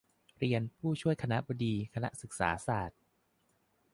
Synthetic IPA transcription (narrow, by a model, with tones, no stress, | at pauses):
ɾi˧ənpʰuː˥˩t͡ɕʰu˥˩əjkʰa˧na˦˥ʔbɔ˧diː˧kʰa˧na̰˦˥ʔsɯ˨˩k̚sa̰ː˩˦saː˨˩t̪̚